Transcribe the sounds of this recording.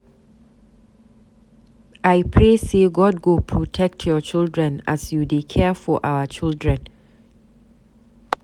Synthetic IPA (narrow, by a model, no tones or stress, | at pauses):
ʔajpʰɹeseɡɔd̚ɡopʰɹotʰɛk̚tʰjɔt͡ʃildɹɛ̃na̰sjudekʰɛfɔʔawət͡ʃildɹɛ̃n